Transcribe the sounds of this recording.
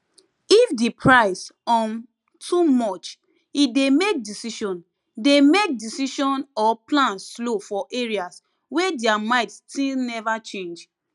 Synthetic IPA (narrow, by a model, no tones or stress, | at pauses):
ifdipʰɹaɪsɔ̃n | tʰumɔt͡ʃ | idemek̚disiʃɔ̃n | demek̚disiʃɔ̃nɔplãnslofɔʔeɹias | wedɛamãɪtstilnɛvat͡ʃẽnd͡ʒ